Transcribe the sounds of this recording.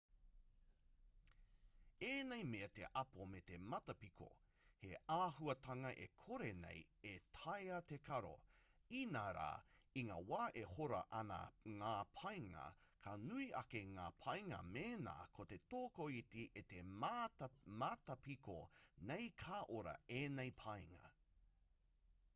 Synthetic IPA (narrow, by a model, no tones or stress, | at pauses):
eːnejmeɐt̪ḛʔɐpomet̪emɐtɐpikʰo̰ | heʔaːɦuɐtʰɐŋɐʔekʰoɾenḛjetʰɐjɐt̪ekʰɐɾo̰ | inaːɾa̰ːiŋawaːʔehoɾɐ̰ʔɐna̰ŋaːpʰɐjŋɐ̰kʰɐnuiʔɐkeŋaːpʰɐjŋɐ̰meːna̰ːkʰot̪et̪oːkoitiʔet̪em | matɐpikonejkʰaːʔoɾɐ̰eːnejpʰɐjŋɐ̰